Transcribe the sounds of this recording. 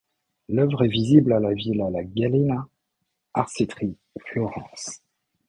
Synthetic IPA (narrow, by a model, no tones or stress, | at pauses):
lœvʁɛviziblalavilalaɡalena | aʁsit̪χi | flɔʁɑ̰̃ːs